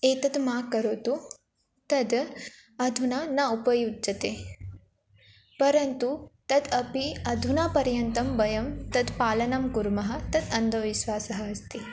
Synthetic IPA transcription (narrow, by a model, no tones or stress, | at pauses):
eːt̪ɐd̪maːkɐɾoːt̪u | t̪ɐd̪ | ɐd̪ʱunaːnaːupɐjudd͡ʒɐt̪eː | pɐɾɐnt̪ut̪ɐd̪ɐpiɐd̪ʱunaːpɐɾjɐnt̪ɐmbɐjɐmt̪ɐd̪paːlɐnɐmkuɾmɐɦɐ̆t̪ɐd̪ɐnd̪ʱɐʋiʃʋaːsɐɦɐɐst̪i